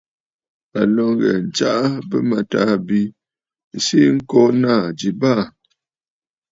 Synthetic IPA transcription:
a˨lɔ˦ŋɣɛ̰˨n̩˨t͡ʃa˦ʔa˦bə˦ma˨ta˦bi˦˨ | si˦ŋ̩˦kɔ˦naː˦˨d͡ʒi˨ba˦˨

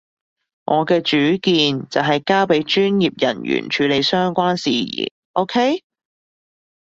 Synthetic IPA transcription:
ŋʔɔː˨˧kɛː˧t͡ʃyː˨˥kiː˧nt͡sɐ˨wɦɐ˨jkaː˥pe˨˥jt͡ʃyː˥njiː˨p̚jɐ˨˩njy̰ː˨˩nt͡ʃʰyː˨˧le˨˧jsœː˥ŋkʷaː˥nsḭː˨jḭː˨˩ | ʔo˥wkʰe˥j

